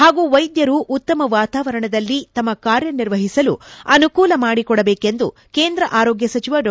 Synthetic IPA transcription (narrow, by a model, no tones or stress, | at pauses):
haːɡuːʋɐjd̪jɐɾuʔut̪ːɐmɐʋaːt̪aːʋɐɾɐɳɐd̪ɐlːit̪ɐmːɐkaːɾjɐniɾʋɐɦisɐlṵɐnukuːlɐmaːɽikɔɽɐbeːke̞nd̪ṵ | keːnd̪ɾɐʔaːɾoːɡjɐsɐt͡ʃiʋɐɖ